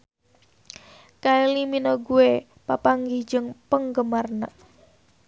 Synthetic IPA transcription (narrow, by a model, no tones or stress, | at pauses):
kailiminoɡue | papaŋɡi̥d͡ʒəŋpəŋɡəmarnaʔ